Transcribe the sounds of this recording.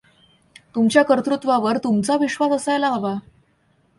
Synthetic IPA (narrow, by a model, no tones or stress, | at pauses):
t̪umt͡ɕjakəɾt̪ɾut̪ʋaʋəɾt̪umt͡saʋiɕʋasəsajlaɦaba